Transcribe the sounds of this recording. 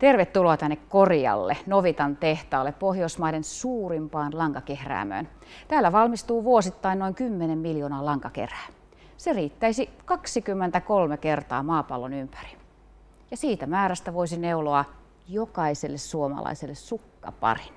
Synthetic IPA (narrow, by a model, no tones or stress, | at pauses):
t̪erʋet̪ːuloɑt̪ænːekkoriɑ̰lːenoʋit̪ɑnt̪eht̪ɑːlːeppohjoismɑidensuːrimpɑːnlɑŋkɑkehræ̰ːmø̰ːn | t̪æːlːæʋɑlmist̪uːʋuosit̪ːɑinoiŋkymːenemmiljoːnɑːlɑŋkɑkḛræː | seriːt̪ːæisikɑksikymːent̪ækolmekert̪ɑ̰ːmɑːpɑlːonympæri̥ | jɑsiːt̪æmæːɾæst̪æʋoisineuloɑ | jokɑiselːessuomɑ̰lɑ̰iselːessukːɑ̰pɑ̰rin